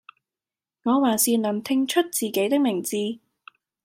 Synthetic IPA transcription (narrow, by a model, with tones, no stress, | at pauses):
ŋɔː˨˧waː˨˩nsiː˨nɐ˨˩mt̪ʰɪ˧ŋt͡ʃʰɵ˥t̚t͡siː˨˩ke˨˥jt̪ɪ˥k̚mɪ˨˩ŋt͡siː˧